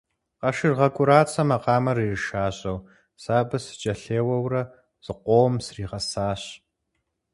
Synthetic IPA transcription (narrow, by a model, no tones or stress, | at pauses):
qɐʃɨrʁɐkʷʼʊɾaːt͡sʰʼɐmɐqɑːmɐrirɨʃaːɕʼɐw | saːbɨsɨ̥t͡ʃʼɐɬeːwɐwrɐ | z̥ɨqʷoːmsriːʁɐsaːɕ